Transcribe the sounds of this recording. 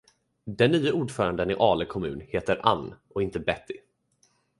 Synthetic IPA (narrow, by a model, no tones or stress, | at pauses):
d̪ɛnːyːauːɖfœːɾand̪ənɪʔɑːləkʰɔmʉ̟ːnheːt̪əɾʔa̰nːʔɔɪnt̪əbɛt̪ːɪ